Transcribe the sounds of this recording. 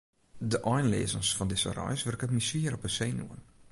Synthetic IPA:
dəʔɔjnlḛːzənsfɔndɪsə̰rɔ̰jsʋɪrkətmisiəɾɔpəseːnjṵən

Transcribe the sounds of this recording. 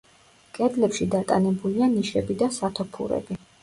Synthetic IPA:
kʼɛd̪lɛpʃid̪at̪ʼa̰nɛbulianiʃɛbid̪asat̪ʰɔpʰṵɾɛ̰bi

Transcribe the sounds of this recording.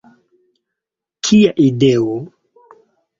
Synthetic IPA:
kʰijaʔidɛwɔ

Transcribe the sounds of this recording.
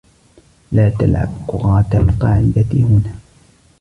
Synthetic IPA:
laːt̪a̰lʕa̰bqʊɾɑːt̪alqɑːʕɪd̪at̪hʊnaː

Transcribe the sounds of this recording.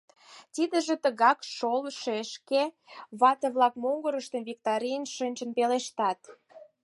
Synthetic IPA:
t̪id̪ə̆ʒĕt̪əɣɑkʃolʃeəʃke | βɑt̪əβlɑkmoŋɡəɾəʃt̪ə̆mvik̚t̪ɑɾijənʃənʲt͡ʃə̆npeleʃt̪ɑt̪

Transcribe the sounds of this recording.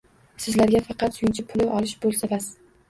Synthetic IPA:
sɪzlaɾɡʲafɑqʰɑt̪sʊjɪnt͡ʃʰɪpʰʊlɪʔɒlɪʃbolˠsavas

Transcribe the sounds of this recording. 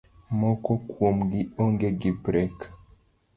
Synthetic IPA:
mɔkɔkwomɡiɔŋɡeɡipɾɛk

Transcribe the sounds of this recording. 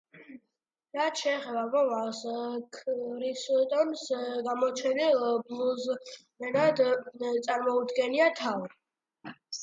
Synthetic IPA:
ɾat̪ʰʃɛːχɛbamɔvaskʰɾist̪ʼɔnsɡamɔt͡ʃʰɛniblˠuz | ɛnad̪t̪sʼaɾmɔud̪ɡɛniat̪ʰavɾi

